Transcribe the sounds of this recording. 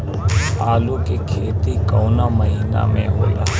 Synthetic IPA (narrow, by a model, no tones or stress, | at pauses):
aːlukekʰeːt̪ikɔːnaməɦiːna̰mḛ̃ɦoːla̰ː